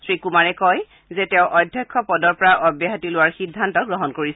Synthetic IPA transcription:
sɹikumaɹɛkɔj | zɛtɛ̃ʊ̃ʔɔdʱjɔkʰːɔpɔdɔɹpɔɹaʔɔbjaɦatilʊwaɹxidʱːantɔɡɹɔɦɔnkoɹisɛ

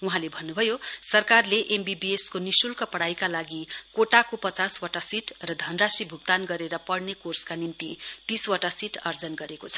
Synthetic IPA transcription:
uɦãlebʱʌnːubʱʌjosʌrkarleʔembibieskonisulkʌpʌɽajkalaɡikoʈakopʌt͡saswʌʈasiʈrʌd̪ʱʌnrasibʱuɡ̚t̪anɡʌɾeɾʌpʌɽnekorskanint̪it̪iswaʈasiʈʌrd͡zʌnɡʌɾekot͡sʰʌ̥

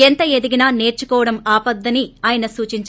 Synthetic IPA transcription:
ent̪ɐed̪iɡinaːne̞ːɾt͡ʃukɔːʋɐɽɐmaːpɐd̪ːɐniaːjɐnɐsuːt͡ʃiɲt͡ʃ

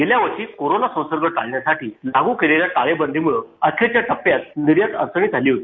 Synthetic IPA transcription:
ɡeljaʋət͡ɕiːkoɾonasə̃w̃səɾɡəʈalɳjasaʈiːlaɡuːkeleljaʈalebənd̪ʱimuɭəəkʰet͡ɕjaʈəpːjat̪̚niɾjət̪ə̰ɾsəɳ̃iːd͡z̪ʱaliːɦot̪i

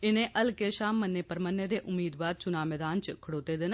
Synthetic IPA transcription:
ɪnẽːʔəlkeːʃaːmːənːeːpəɾmənːed̪eːʔʊmːiːd̪ʋaːɾt͡ʃʊnaːmɛːd̪aːnt͡ʃkʰəɽoːt̪eːd̪ɪn

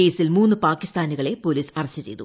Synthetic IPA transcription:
eːsilmuːnːɨpaːkːist̪aːnuɣɐɭe̞po̞liːsɐrɐɕːɐt͡ɕe̞̰jt̪u

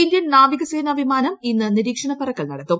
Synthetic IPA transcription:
ind̪jɐnnaːʋiɣɐseːnɐʋʱimaːnɐminːɨniɾiːkʂɐɳɐpɐrɐkːɐɭnɐɽɐt̪ːum

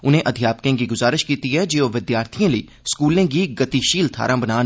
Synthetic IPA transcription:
ʊnɦẽʔɐd̪ʱjaːpkẽkiɡʊzaːɾɪʃkiːt̪iɦɛd͡ʒiːoʋɪd̪jaːɾt̪ʰijẽliː | skuːlẽkiɡɐt̪iʃiːlt̪ʰa̰ːɾãbɐnaːn

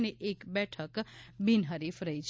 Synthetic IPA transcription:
neʔekbɛʈʰəkbinɦəɾifɾəɦit͡ʃʰ

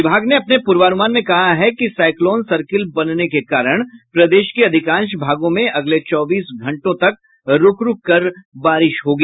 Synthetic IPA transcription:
ɪbʱaːɡneɐpnepʊɾʋaːnumaːnmẽkɐɦaɦɛkisaːɪkloːnsɐɾkɪlbɐnnekekaːɾəɽ̃pɾɐd̪eːʃkeɐd̪ʱɪkãːnʃbʱaːɡõmẽʔɐɡlet͡ʃɔːbiːsɡʱɐ̃ɳʈõt̪ɐk̚ | ɾʊkɾʊkkːɐɾbaːɾɪʃɦoːɡiː

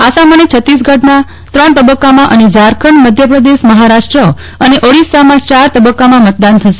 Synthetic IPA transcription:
asamanit͡ʃʰət̪ːis̬ɡʱəɖna | t̪ɾəɳt̪əbəkːamãʔəned͡ʒaɾkʰəɳməd̪ʱjəpɾəd̪eʃməɦaɾaʂʈɾə | əneʔoɽisamãt͡ʃaɾt̪əbəkːamãmət̪̚d̪ant̪ʰəʃe

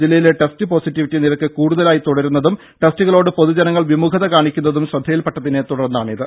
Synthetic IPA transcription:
d͡ʑilːɐjileʈestɨpo̞ːsitːiʋitːiniɾɐkːɨkuːɽuðɐlaːjit̪uɽɐɾunːɐðum | ʈestuɣɐɭo̞ːɽɨpo̞ðud͡ʑɐnɐŋːɐɭʋimukʰɐðɐkaːɳikʲːunːɐðumɕrɐd̪ʱːɐjilpɐʈːɐðinet̪uɽɐrnːaːɳiðɨ

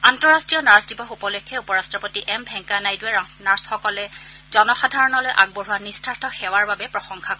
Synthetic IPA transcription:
antɔɹastɹijɔnaɹsdibɔxupɔlɔkʰːɛupɔɹastɹɔpotiʔɛmbʱɛŋkanajduɛnaɹsxɔkɔlɛ | zɔnɔxadʱaɹɔnɔlojʔa̰ɡ̚boɹuwanistʰaɹtʰɔxɛwaɹbabɛpɹɔxɔŋkʰakɔɹɛ

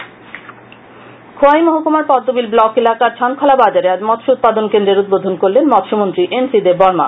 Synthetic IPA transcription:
kʰoajmoɦokumaɾpɔd̪ːobilblɔkelakaɾt͡ɕʰankʰɔlabad͡ʑaɾead͡ʑmɔt̪ʃout̪̚pad̪onkend̪ɾeɾud̪̚bod̪ʱonkoɾlenmɔt̪ʃomont̪ɾiʔensid̪eɾbɔɾma̰

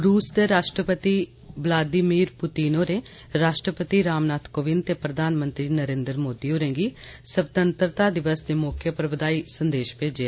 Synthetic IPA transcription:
ɾuːsd̪eːɾaːʃʈɾəpət̪iː | ʋəlaːd̪ɪmiːɾpʊt̪iːnoːɾeː | ɾaːʃʈɾəpət̪iɾaːmnaːt̪ʰkoːʋɪnt̪eːpɾəd̪ʱaːnmənt̪ɾiːnəɾẽːnd̪ɾmoːd̪iːɦoːɾẽːɡiːsəbt̪ənt̪ɾət̪aːd̪ɪʋəsd̪eːmoːkʰjəpɾəʋəd̪aːiːsənd̪eːʃpeːd͡ʒea

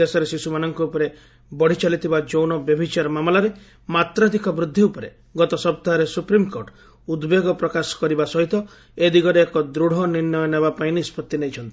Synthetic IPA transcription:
esɔɾesisumanɔŋkuupɔɾe | bɔɽ̤it͡ʃalit̪ʰibad͡ʒownɔbjebʱit͡ʃaɾɔmamɔlaɾe | mat̪ɾɔd̪ikʰɔbɾud̪ʱːiupɔɾe | ɡɔt̪ɔsɔp̚t̪aɦɔɾesupɾimkoɾʈ | ud̪beɡɔpɾɔkasɔ̥kɔɾibasɔɦit̪ɔ | ed̪iɡɔɾeːkɔd̪ɾuɽ̤ɔniɾnɔjɔnebapainispɔt̪ːinejt͡ʃʰɔnt̪i̥

